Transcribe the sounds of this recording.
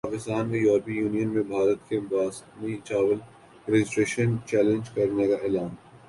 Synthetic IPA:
paːkɪst̪aːnʋẽjɔːɾpijuːnijənmẽbʱaːɾət̪kebaːsnit͡ʃaːʋəl | ɾɛd͡ʒɪsʈɾeːʃənt͡ʃɛːlẽɲd͡ʒkɐɾnekaeːlaːn

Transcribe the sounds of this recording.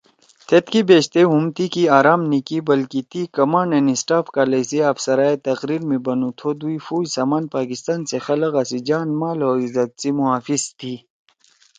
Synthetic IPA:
t̪ʰet̪kibeːɕt̪eumt̪ikiaːɾaːmnikibɐlkit̪ikɐmaːnenisʈaːfkaːlɐsiɐfsɐɾaːet̪ɐqɾiːɾmẽbɐnut̪ʰod̪uifuːjsaːmaːnpaːkist̪aːnsexɐlɐɣɐsid͡ʑaːnmaːlɦoːizɐt̪̚simuaːfizt̪ʰiː

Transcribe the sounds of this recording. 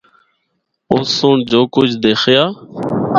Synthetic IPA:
oːsõːɳd͡ʒoːkʊd͡ʒd̪eːxʰjaː

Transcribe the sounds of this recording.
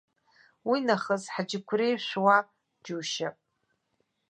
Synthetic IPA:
winaχəzħad͡ʒɪkʷʰrejʃʷᶣwa | d͡ʒuːʃapʼ

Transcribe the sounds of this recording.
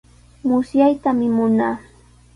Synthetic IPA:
mʊsjajt̪amɪmʊnaː

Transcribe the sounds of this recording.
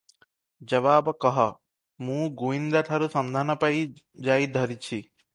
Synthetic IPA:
d͡ʒɐʋaːbɐkɐɦɐ | mũːɡuind̪ɐt̪ʰɐɾusɐnd̪ʱaːnɐpɐi | d͡ʒaːid̪ʱɐɾit͡ʃʰi

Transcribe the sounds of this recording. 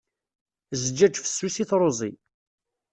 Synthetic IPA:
zəd͡ʒæd͡ʒfə̥sːusiθɾˤozˤi

